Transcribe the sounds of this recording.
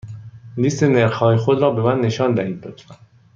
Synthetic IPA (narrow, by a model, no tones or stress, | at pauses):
liːst̪eneɾxhɒːjexod̪ɾɒːbe̞mænːe̞ʃɒːnd̪æhiːd̪̚b̪ot̪